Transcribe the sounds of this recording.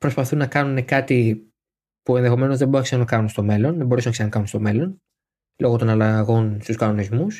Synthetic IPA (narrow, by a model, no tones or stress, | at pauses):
pɾospɐθunːɐkɐnune̞kɐt̪i | pue̞nðexo̞me̞no̞zðeboksenɐnɐkɐnunst̪o̞me̞lo̞nðeboɾesunɐksenɐɐkɐnunst̪ome̞lo̞n | lʔo̞ɣo̞t̪o̞nɐlɐɣo̞nst̪uskɐno̞nizmus